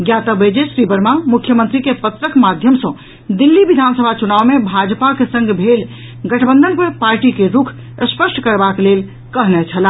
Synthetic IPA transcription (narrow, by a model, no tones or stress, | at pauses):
ɡjat̪əbed͡ʒesɾibəɾmamukʰjəmənt̪ɾikepət̪ɾəkmad̪ʱjəmsə̃ | d̪ilːibid̪ʱansəbʱat͡ʃunaʋmebʱad͡ʒpakesə̃ŋɡbʱel | ɡəʈʰbənd̪ʱənpepaɾʈikeɾukʰ | əspəsʈʰkəɾbaklel | kəɦnɛt͡ʃʰəla